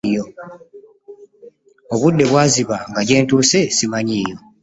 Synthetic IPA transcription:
jo̞ | oβudːe̞βwaːziβaŋɡaɟe̞ːntuːse̞simaɲiːjo̞

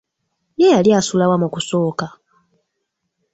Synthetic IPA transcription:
jejaljaːsulawamukuso̞ːka

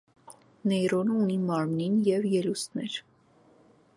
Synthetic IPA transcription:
nɛjɾɔnəunimɑɾmninjɛvjɛlusnɛɾ

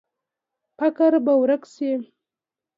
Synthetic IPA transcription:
pakaɾbawɾəkse

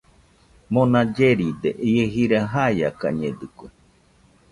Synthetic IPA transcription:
monad͡ʒeɾid̪eʔieɦiɾaɦaiaka̰ɲed̪ɯkʷe

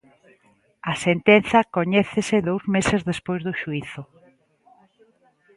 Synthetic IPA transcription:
ɐsent̪enθɐkoɲɛθesɪðowzmesɪzðespojzðʊʃuiθʊ

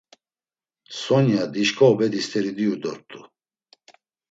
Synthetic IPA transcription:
sɔnjad̪iʃkʼɔːbɛd̪ist̪ʰʼɛɾid̪iud̪ɔɾt̪ʼu

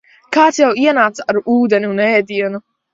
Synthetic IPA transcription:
kaːt̪sjawiɛnaːt̪saɾuːd̪ɛniunɛːd̪iɛnu

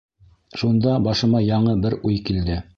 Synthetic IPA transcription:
ʃund̪ɑbɑʃɤ̆mɑjɑɴɤbɘɾujkild̪ɘ

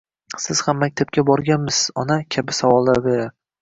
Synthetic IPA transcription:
sɪz̥hamːak̚ʲt̪ʰap̚kʲabɒɾɡʲanmɪszɒnakʲʰabɪsavɒlˠːaɾbe̞ɾa

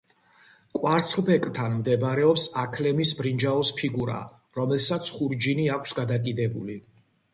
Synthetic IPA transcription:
kʼwaɾt̪sʰlbɛkʼt̪ʰanmd̪ɛbɾɛɔpsakʰlɛmisbɾind͡ʒaɔspʰiɡuɾa̰ | ɾɔmɛlsat̪sʰχuɾd͡ʒiniakʷʰsɡad̪akʼid̪ɛbuli

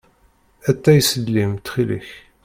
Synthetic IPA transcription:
æt̪ːæjsəlːimt̪χilḭç

